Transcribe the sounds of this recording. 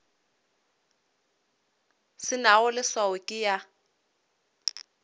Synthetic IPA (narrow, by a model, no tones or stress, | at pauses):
sɪnawɔlɪsawɛkʼɪja